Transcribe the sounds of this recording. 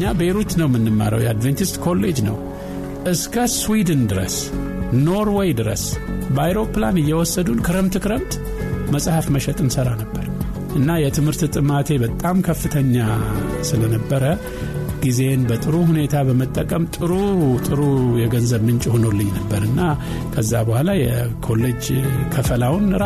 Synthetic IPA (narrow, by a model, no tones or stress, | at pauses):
ɨɲːabe̞ɾot͡ʃ̪ːnəwmːɨnːɨmːa̰ɾə̰wjɛad̪vent̪ʰist̪kʰo̞lːe̞d͡ʒnə̰w | ʔɨskʰəswid̪ɨnd̪ɨɾə̰s | no̞ɾwejd̪ɨɾə̰sbajɾo̞planɨjːɛwɔsːəd̪unkʰɨɾəmt̪kɨɾəmt̪ | məsʼhafməʃɛt̪ʼɨnsəɾanəbːəɾ | ʔɨnːajɛt̪ʰɨmhɨɾt̪t̪ʼɨmat̪ʰe̞bət̪ʼamkʰəfːɨt̪ʰəɲːasɨlənəbːəɾə | ɡize̞nbət̪ʼɨɾuhune̞t̪ʰabəmət̪ʼːəkʼːəmt̪ʼɨɾut̪ʼɨɾujɛɡənzəβmɨnt͡ʃʼɪhonolɨjnəbːəɾɨnːa | kʰəzːabəhʷalajɛkʰo̞led͡ʒkʰəfəlawnɾa